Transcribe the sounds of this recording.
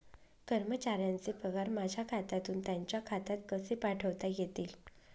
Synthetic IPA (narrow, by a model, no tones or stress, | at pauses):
kəɾmət͡ɕaɾjant͡sepəɡaɾmad͡ʑʱjakʰat̪at̪uːnt̪jaɲt͡ɕjakʰat̪at̪̚kəsepaʈʰəʋt̪ajet̪iːl